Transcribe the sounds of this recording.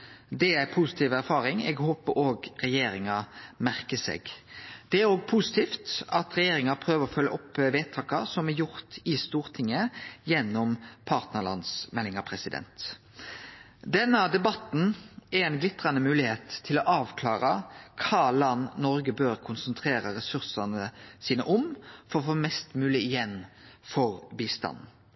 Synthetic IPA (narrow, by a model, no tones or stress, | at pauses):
d̪ɛæpʰusɪt̪ʰiːʋæɾfɑːɾɪŋɛ̰ːɡhoːpəɾoːɡɾɛjeːɾɪŋɑmæʁkəsḛːɡd̪̥ɛæɾoːɡ̚pʰusɪ̥t̪ʰiːft̪ɑt̪ɾɛjeːɾɪŋɑpʰɾøːʋəɾɔfœlːə̰ʔɔpːʋeːt̪ʰɑːkɑsɔmɛɾjʊɾt̪ɪst̪uːɾt̪ʰɪŋːəjɛnːɔmpʰɑːʁt̪nəɭɑ̰nsmɛlːɪŋɑpʰɾɛsɪd̪ɛ̰nt̪ | d̪ɛnːəd̪ɛbɑt̪n̩ɛɾɛnɡlɪt̪ːɾɑnəmʉːlɪheːt̪ʰːɪlɔʔɑːʋkʰlɑːɾəkʰɑːlɑnːnɔɾɡəbøːɾkʰʊnsənt̪ʰɾeːɾəɾɛsʉʁsɑnəsiːnə̰ʔɔmfɔɾɔfoːmɛst̪mʉːlɪɪjɛn | fɔɾbiːst̪ɑ̰n